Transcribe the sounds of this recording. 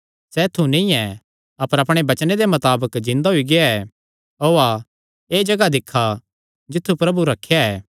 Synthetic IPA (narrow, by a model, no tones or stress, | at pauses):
sɛt̪ʰunĩɛ | ɐpəɾɐpɽ̃ebɐt͡ʃned̪emɐt̪aːbəkd͡ʒɪ̃nd̪aɦʊiɡɪaɛː | oːa | eːd͡ʒɐɡad̪ɪkʰːa | d͡ʒɪt̪ʰːupɾɐbuɾɐkʰːejaɛː